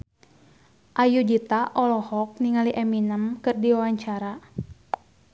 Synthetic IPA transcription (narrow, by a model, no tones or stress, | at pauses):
ʔajud͡ʒit̪aʔɔlɔhɔk̚niŋaliʔɛminəmkɨrdiwawaɲt͡ʃaɾa